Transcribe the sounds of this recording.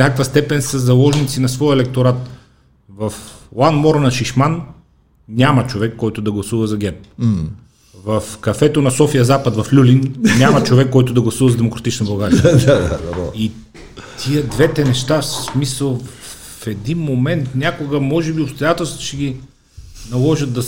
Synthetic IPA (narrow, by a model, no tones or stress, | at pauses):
nʲakkvəst̪ɛpɛnsɐzɐlˠɔʒnit̪sinɐsvɔjɛlɛk̚t̪oɾat̪ | vɐflˠanmɔɾnɐʃiʃman | nʲamɐt͡ʃovɛkːɔjt̪ʊd̪ɐɡlˠɐsuvəzɐɡʲɛɾp | vɐfkɐfɛt̪onɐsɔfiəzapət̪vɐflʲulinnʲamɐt͡ʃovɛkːɔjt̪ʊd̪ɐɡlˠɐsuvɐzɐd̪ɛmokɾɐt̪it͡ʃnɐbɐlˠɡaɾiɐai | t̪ʰiəd̪vɛt̪ɛnɛʃt̪assmisəlˠ | fɛd̪inmomɛnt̪fnʲakoɡəmɔʒɛbiopst̪ojat̪ɛlˠst̪voʃɛɡʲi | nɐlˠɔʒət̪̚d̪ɐ